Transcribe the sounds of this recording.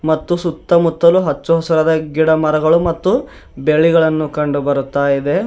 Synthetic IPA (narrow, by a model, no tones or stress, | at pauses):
mɐt̪ːusut̪ːɐmut̪ːɐluɦɐt͡ʃːuɦɐsɐɾɐd̪ɐɡiɽɐmɐɾɐɡɐɭumɐt̪ːu | beɭiɡɐɭɐnːukɐɳɖubɐɾut̪ːaːjid̪e̞